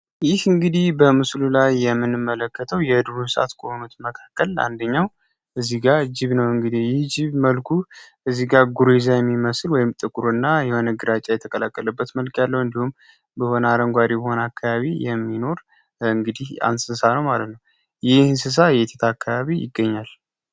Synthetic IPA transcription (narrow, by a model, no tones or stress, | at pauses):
jɪhɨŋɡɨd̪ihbəmɨslulajːɛmːɨnɨmːələkʰːət̪ʰəwjɛd̪uɾusəʔa̰t̪kʰʼohonut̪məkʰakːəla̰nd̪əɲːaw | ʔɨzːiɡad͡ʒɪβnəwɨŋɡɨd̪ihjɪhd͡ʒɪβməlkʰuʔɨzːiɡaɡuɾezajɛmːiməsɨlwɔjɪmt̪ʼɨkʼuɾuɨnːajɛhonəɡɨɾat͡ʃʼajɛt̪ʰəkʼəlakʼːələbːət̪məlkʼjalːəwɨnd̪ihum | bəho̞naɾəŋɡʷaɾibəho̞nakʰːaβaβijɛmːino̞ɾ | ɨŋɡɨd̪iha̰nsɨsanəwmalət̪nəw | jɪhnsɨs̬ajɛt̪ʰet̪ʰaːkʰːaβaβijɪ̰ɡːəɲːal